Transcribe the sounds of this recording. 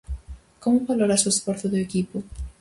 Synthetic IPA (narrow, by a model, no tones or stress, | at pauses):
komʊβaloɾasoesfoɾθʊðʊekipʊ